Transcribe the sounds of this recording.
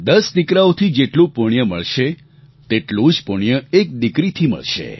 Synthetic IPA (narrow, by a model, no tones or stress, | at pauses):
d̪əsd̪ikɾaot̪ʰid͡ʒeʈlũpʊɳjəmə̰ɭʃe | t̪eʈlũd͡ʒpuɳ̃jəek̚d̪ikɾit̪ʰimə̰ɭʃḛ